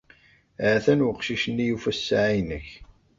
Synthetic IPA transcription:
ʕæθænwəqʃiʃənːijufæsːaʕijnəç

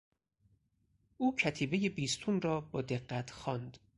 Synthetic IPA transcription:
ʔuːcʰæt̪ʰiːbe̞jebiːst̪ʰunrɒːbɒːd̪eɢːæt̪ʰxɒːnd̪

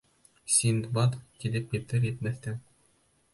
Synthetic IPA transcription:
sʲind̪bɑt̪t̪ilɘp̚kĭt̪ɘɾet̪̚mæθt̪ɘŋ

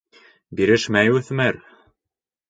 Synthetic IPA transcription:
biɾɘʃmæjɵθmæɾ

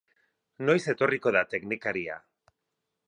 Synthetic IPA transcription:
no̞jse̞t̪o̞riko̞ðat̪e̞knikaɾia̰

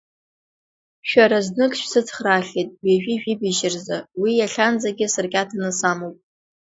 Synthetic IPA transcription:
ʃᶣaɾaznɨkʰʼʃᶣsɨt͡sʰχraχʲejtʼweʒᶣiʒᶣibiʃɪrzawijaɬʲand͡zaɡʲɪsɨrɡʲʼatʰanɨsamowpʼ

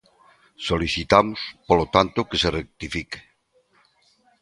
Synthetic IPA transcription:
soliθit̪amospolot̪ant̪okeserek̚t̪ifike̥

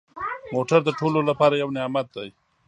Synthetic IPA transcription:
moʈaɾd̪əʈololapɑɾajawnɪjɑmat̪̚d̪aj

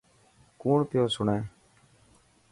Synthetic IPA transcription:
kuːɳpɪjoːsʊɳẽː

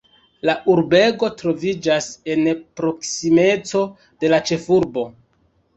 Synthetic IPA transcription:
laʔuɾbe̞ɡo̞tɾo̞vid͡ʒase̞npɾo̞ksime̞t͡so̞ | d̥e̞lat͡ʃe̞fuɾbo̞

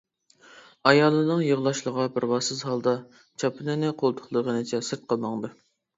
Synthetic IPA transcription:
ɑjɑlˠːɨnɨŋjəʁlˠɑʃlˠəʁɑbɪɾbɑsɨzɦɑlˠd̪ɑ | t͡ʃʰɑpʰɨnɨnɨqʰolˠt̪ʰʊ̥χlˠəʁənɨt͡ʃʰɛsɨɾt̪̚qʰəlˠmɑŋd̪ɨ

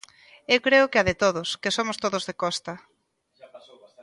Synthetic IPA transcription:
ewkɾeʊkɪaðɪt̪oðʊskesomʊst̪oðʊzðekɔst̪ɐ

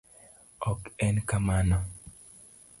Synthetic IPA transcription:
ɔkɛnkamanɔ

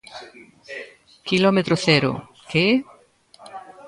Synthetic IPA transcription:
kilɔmet̪ɾoθeɾʊ̰ | ke

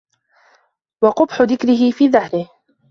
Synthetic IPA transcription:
wɑqʊbħʊðɪkɾɪɦɪfiːðahɾɪh

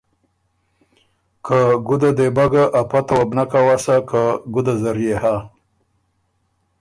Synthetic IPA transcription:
kʰaɡʊd̪ad̪ebaɡaʔapat̪awabnakawasakaɡʊd̪azaɾjeha

